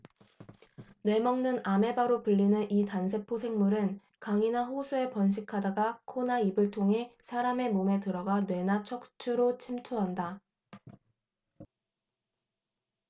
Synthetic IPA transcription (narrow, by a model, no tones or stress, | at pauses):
ne̞mʌŋnɯname̞baɾopɯʎːinɯnitansʰe̞pʰosʰe̞ŋmuɾɯn | kaŋinaɸosʰue̞pʌnɕ̬ʰikʰadaɡakʰonaibɯɭtʰoŋɦe̞sʰaɾame̞mome̞tɯɾʌɡanwe̞nat͡ɕʰʌk̚t͡ɕʰuɾot͡ɕʰimtʰuɦanda